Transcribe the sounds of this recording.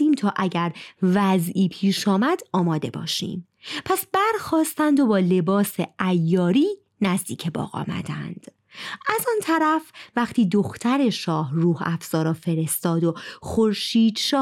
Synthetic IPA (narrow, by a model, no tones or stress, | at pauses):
iːmt̪ʰɒːʔæɟæɾvæziːpʰiːʃɒːmæd̪̥ɒːmɒːd̪e̞bɒ̰ːʃḭːm | pʰæsbæɾxɒːst̪ænd̪o̞bɒːle̞bɒːseʔæjːɒːɾiː | næzd̪iːcʰebɒ̰ːɣɒ̰ːmæ̰d̪æ̰nd̪̥ | ʔæzɒnt̪ʰæɾæfvæχt̪ʰiːd̪oxt̪ʰæɾe̞ʃɒːhruːhæfz̥ɒːɾɒːfe̞ɾe̞st̪ɒːd̪oxo̞ɾʃiːd̪ʃɒː